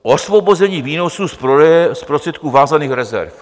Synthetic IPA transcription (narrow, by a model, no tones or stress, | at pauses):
ʔosvo̞bozɛɲiːviːno̞suspɛspɾost̪r̥ɛt̪̚kuːvaːzaniːxɾɛzɛ̰ɾf